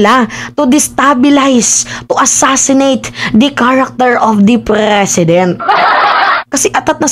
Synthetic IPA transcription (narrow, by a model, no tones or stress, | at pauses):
lat̪ʊd̪ɪst̪abɪlajst̪ʊʔɐsasɪnejt̪d̪ɐkaɹak̚t̪ɛɹʔɔfd̪ɐpɾɛsɪd̪ɛnt̪̚ | kɐsɛʔɐt̪at̪nɐ